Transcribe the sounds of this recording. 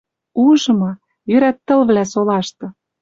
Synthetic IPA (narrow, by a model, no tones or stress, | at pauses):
uʒɤ̆mɑ | jøɾæt̪ːə̆lβlæsolɑʃt̪ɤ̆